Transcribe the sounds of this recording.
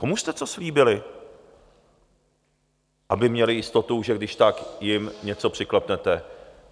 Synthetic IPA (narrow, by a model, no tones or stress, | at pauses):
komuʃst̪ɛt͡so̞sliːbɪlɪ | ʔabɪmɲɛlɪjɪst̪o̞t̪uʒɛɡdɪʃt̪akjɪmɲɛt͡so̞pr̥ɪklɛpnɛt̪ɛ